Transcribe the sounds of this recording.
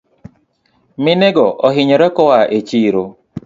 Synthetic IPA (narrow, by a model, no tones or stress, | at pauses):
mɪneɡɔʔɔɦɪɲɔɾɛkɔwaʔet͡ʃiːɾo